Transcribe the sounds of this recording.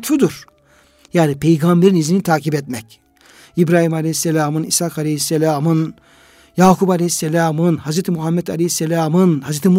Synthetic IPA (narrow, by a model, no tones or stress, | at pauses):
t̪fud̪uɾ̥ | jaːnipʰejɡambeɾinizinit̪ʰaːcibɛt̪mɛc | ibɾaːhimalʲehisːelʲaːmɯnḭsakalʲehisːelʲaːmɯn | jaːkʰubalʲehisːelʲaːmɯnhazɾet̪ʰimuɦamːɛt̪ʰalʲehisːelʲaːmɯnhazɾet̪ʰim